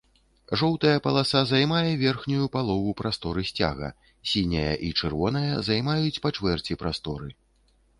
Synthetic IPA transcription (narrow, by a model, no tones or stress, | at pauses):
ʐɔwt̪ɐjɐpɐlˠasazajmajɛvʲɛrxnʲujupalˠɔvupɾast̪ɔɾɨsʲt͡sʲa̰ɣɐ̰ | sʲinʲɐjɐ̰ʔit͡ʂɨrvɔnɐjɐzajmajut͡sʲpɐt͡ʂvɛrt͡sʲipɾast̪ɔɾɨ